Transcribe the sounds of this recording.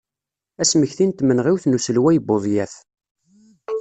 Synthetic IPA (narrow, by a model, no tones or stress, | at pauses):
æsməçθint̪mənʁiwθnusəlwæjəbːoðˤjæθ